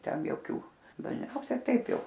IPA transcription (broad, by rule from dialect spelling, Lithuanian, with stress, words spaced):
ˈtʲɛn joːˈkʲuː dɐʒʲˈnʲɛʊsʲɛ ˈtɐɪp ˈjɛʊ